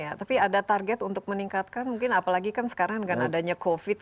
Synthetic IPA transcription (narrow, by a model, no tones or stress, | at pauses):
jat̪apiadat̪arɡɛt̪unt̪ʊk̚məniŋkat̪̚kanmuŋkɪnapalaɡikansə̥kaɾaŋdəɡanadaɲakofɪt̪̚